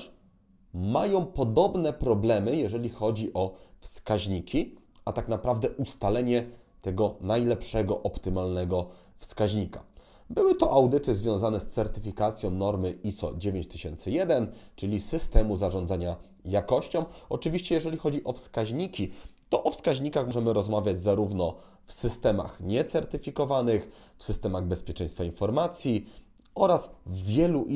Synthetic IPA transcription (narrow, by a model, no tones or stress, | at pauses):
ʂ | majɔ̃w̃pɔd̪ɔbnɛpɾɔblɛmɘjɛʐɛlʲixɔd͡ʑiʔɔfskaʑɲikʲi | at̪aknapɾavd̪ɛʔust̪alɛɲɛ | t̪ɛɡɔnajlɛpʂɛɡɔʔɔpt̪ɘmalnɛɡɔ | fskaʑɲika | bɘwɘt̪ɔʔawd̪ɘt̪ɘzvʲjɔ̃w̃zanɛst̪sɛɾt̪ɘfʲikat̪sʲjɔ̃w̃nɔɾmɘisɔ̰d͡ʑevʲeɲt͡ɕt̪ɘɕɛnt̪sɘjɛd̪ɛnt͡ʂɘlʲisɘst̪ɛmuzaʐɔ̃nd̪zaɲa | jakɔɕt͡ɕɔ̃wɔt͡ʂɘvʲiɕt͡ɕɛjɛʐɛlʲixɔd͡ʑiʔɔfskaʑɲikʲit̪ɔʔɔfskaʑɲikaxmɔʐɛmɘɾɔzmavʲjad͡ʑzaɾuvnɔ | fsɘst̪ɛma̰xɲɛt̪sɛɾt̪ɘfʲikɔvanɘx | fsɘst̪ɛmaɣbɛspʲjɛt͡ʂɛj̃st̪fainfɔɾmat̪sʲji | ɔɾazvʲjɛluʔ